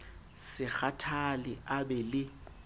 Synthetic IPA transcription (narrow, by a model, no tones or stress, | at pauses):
sɪk͡xatʰalɪʔabɛlɪ